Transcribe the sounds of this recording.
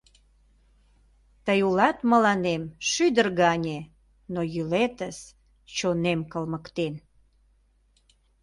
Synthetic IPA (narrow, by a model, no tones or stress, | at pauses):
t̪əjulɑt̪məlɑnemʃyd̪ərɣɑnʲe | nojylet̪əs | t͡ɕonemkəlməkt̪en